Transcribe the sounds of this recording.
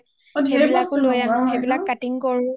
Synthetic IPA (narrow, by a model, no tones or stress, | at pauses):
xebilakʊlojaʊ̃xebilakːatiŋkɔɹʊ̃